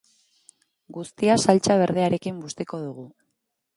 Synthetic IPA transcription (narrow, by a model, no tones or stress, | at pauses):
ɡust̪iasalt͡saβ̞e̞ɾð̞eaɾe̞kimbust̪eko̞ðuɣ̞u